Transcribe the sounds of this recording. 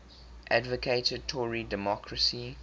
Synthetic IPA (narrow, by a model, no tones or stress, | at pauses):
ʔædvəkʰetəd̚tʰɔɹidɛmɔkʰɹəsi